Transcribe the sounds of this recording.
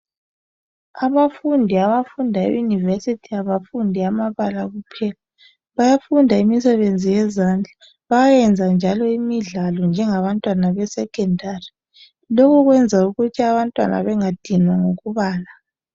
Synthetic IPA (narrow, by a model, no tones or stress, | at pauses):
aβafundʱiaβafundʱaḛjunivesitʰiaβafundʱiamaβalaɣupʰɛla | βajafundʱaimisɛβend͡zʱijɛzand͡ɮʱa | βajajɛnd͡zʱand͡ʒʱalɔimiɮalɔnd͡ʒʱɛŋaβantʼwanaβɛsɛkʼɛndʱari | lokʰuɣwɛnd͡zʱauɣutʰiaβantʼwa̰nʔa̰βɛŋad̥ʱinwaŋoɣuβaːla